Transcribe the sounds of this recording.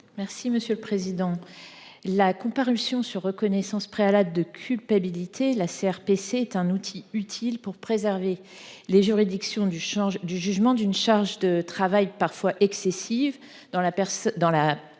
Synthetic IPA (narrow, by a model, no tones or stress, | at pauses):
mɛʁsiməsjøləpχezid̪ɑ̃ | lakɔ̃paʁysjɔ̃syʁːəkɔnɛsɑ̃spχealabld̪əkʲʰylpabilit̪ʰelaseɛʁpeseːt̪ɛ̃nut̪ʰiyt̪ʰilpuʁpχezɛʁve | leʒyʁid̪iksjɔ̃yɑ̃ʒd̪yʒyʒmɑ̃d̪ynʃaʁʒd̪ət̪χavajpaʁfwaʔɛksɛsiv | d̪ɑ̃lapɛʁsd̪ɑ̃la